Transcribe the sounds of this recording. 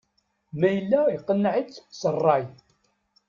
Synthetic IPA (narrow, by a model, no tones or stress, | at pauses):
mæjəlːæjqːənːʕət͡st͡sːsərˤːɑj